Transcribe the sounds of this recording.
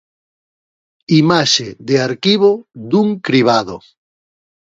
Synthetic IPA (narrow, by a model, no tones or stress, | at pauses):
imaʃeðeaɾkiβod̪uŋkɾiβ̞aðo